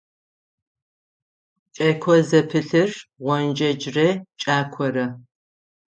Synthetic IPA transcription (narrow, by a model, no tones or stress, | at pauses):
t͡ʃʼɐkʷʰɔzɐpʰɨɬɨrʁʷɔnd͡ʒɐd͡ʒrɐt͡ʃʼaːkʷʰɔɾɐ